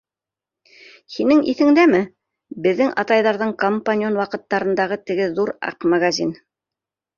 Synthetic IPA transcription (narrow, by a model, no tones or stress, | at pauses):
hinɘŋḭθɘ̆ŋd̪æmɘ | bɘ̆ðːɘŋʔɑ̰t̪ɑjðɑɾðɤɴkompanʲɪonwɑqɤ̆t̪ːɑɾɤ̆nd̪ɑʁɤt̪ɘ̆ɡɘðuɾɑ̰qmaɡazʲin